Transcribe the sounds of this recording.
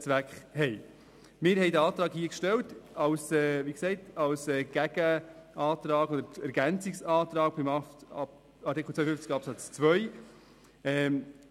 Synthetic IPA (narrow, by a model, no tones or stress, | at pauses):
t͡sʋækχhɛɪ | mɪːɾhɛɪdəɑːt̪ɾɑːkhiːəkʃtɛltɑwsɛːʋiːksɛɪtɑwsɛɡ̥æɡ̥əɑːt̪ɾɑːɡɔd̪əɾɛɾɡænt͡sɪksɑːt̪ɾɑːk̚b̥ɪmɑ | ɑɾtikχl̩t͡ssœfʏft͡sɡ̥ɑpsɑt͡st͡svʋœʏ | ɛː